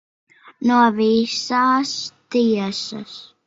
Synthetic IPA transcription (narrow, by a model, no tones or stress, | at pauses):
nuɔvisaːst̪iɛsɐ̰s